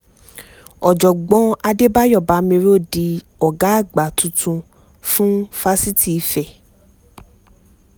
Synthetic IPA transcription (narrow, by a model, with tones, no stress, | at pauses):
ɔ˨d͡ʒɔ˨ɡ͡bɔ̃˧˦a˧de˦ba˦jɔ˦˨ba˨˦mĩ˧ɾo˦˨di˧ | ɔ˨ɡa˨˦a˦˨ɡ͡ba˨tũ˨˧tʰũ˧ | fũ˦fa˦si˦ti˦˨i˧fɛ˦˨